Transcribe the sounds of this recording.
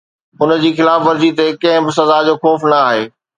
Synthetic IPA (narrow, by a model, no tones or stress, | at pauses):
ʊnəd͡ʑiːxɪlaːfʋɐɾzit̪ekɐ̃ɦɪ̃bɪs̬ɐzad͡ʑoːxɔːfnɐaːɦeː